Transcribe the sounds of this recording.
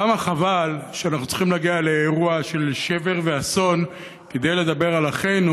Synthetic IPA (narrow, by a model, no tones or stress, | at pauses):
amaχavalʃeanaχnutt͡si̥χimlaɡialeːʁuaʃe̞lʃeve̞ʁve̞aso̞n | ked̪ejle̞d̪abe̞ʁalaχejnu